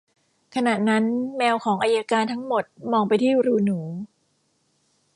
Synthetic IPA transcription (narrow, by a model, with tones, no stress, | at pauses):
kʰa˧na˨˩t̪̚na˦˥nmɛː˧wkʰɔː˩˦ŋʔaː˧ja˧kaː˧nt̪ʰa˦˥ŋmo˨˩t̪̚mɔː˧ŋpa˧jt̪ʰiː˥˩ɾuː˧nuː˩˦